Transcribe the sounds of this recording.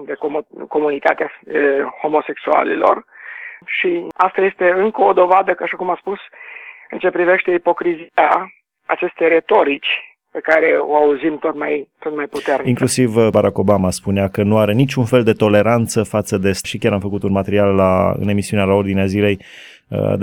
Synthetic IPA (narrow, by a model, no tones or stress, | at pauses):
d̪ekoko̞munit̪a̰t̪eafho̞mo̞se̞ksua̰lilo̞̰r | ʃiast̪aje̞st̪e̞ɨŋkəod̪o̞vad̪əkaʃakumaspusɨnt͡ʃe̞pɾive̞ʃt̪e̞ipo̞kɾizia | at͡ʃe̞st̪e̞jre̞t̪o̞ɾit͡ʃʲ | pe̞kaɾe̞o̞̰auzimt̪o̞t̪majt̪o̞t̪majput̪erniŋkliusivbaɾako̞bamaspuneakənuaɾe̞nit͡ʃʲunfe̞ld̪e̞t̪o̞le̞ɾant̪səfat̪səd̪e̞sʃikʲjaɾamfəkut̪unmat̪eɾialːa̰ɨ̰ne̞misiunealao̞rd̪ineazile̞j | ə̰d̪